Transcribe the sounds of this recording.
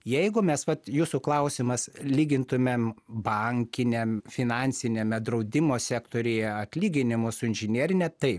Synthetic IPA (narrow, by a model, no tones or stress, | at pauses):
jɛɪɡʊmʲɛsʋɐt̪juːsʊklˠɐʊsʲɪmɐslʲiːɡʲɪnt̪ʊmʲembɐŋʲkʲɪnʲemfʲɪnɑnʲsʲɪnʲeːmʲɛd̪ɾɐʊd̪ʲɪmoːsʲæːkt̪oːɾʲejɛɐt̪ʲlʲiːɡʲɪnʲɪmʊsʊɪnʲʒʲɪnʲiɛɾʲɪnʲɛt̪ɐɪp